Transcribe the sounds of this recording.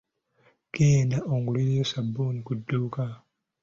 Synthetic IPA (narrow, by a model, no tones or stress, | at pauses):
keːnaʔoŋɡuliɾejosabːuːnikudːuːka